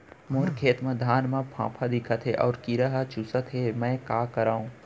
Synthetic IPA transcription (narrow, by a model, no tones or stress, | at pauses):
moːɾkʰeːt̪mɐ̃d̪ʱaːnmãpʰã̰ːpʰad̪ɪkʰət̪ɦeʔɔːɾkiɾaɦat͡ʃusət̪ɦemɛ̃ːkaːkɐɾaːũː